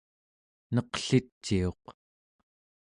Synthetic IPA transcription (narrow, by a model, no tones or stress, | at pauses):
nʌqɬit͡ʃːio̞q